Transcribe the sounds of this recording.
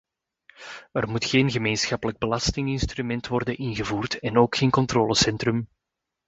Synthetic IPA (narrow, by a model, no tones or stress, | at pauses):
ərmutxeːnɣəmeːnsxɑpələɡ̚bəlɑstɪŋɪnstrymɛntʋɔrdənʔɪnɣəvuːrtɛnoːkxeːnkɔntroːləsɛntrɵm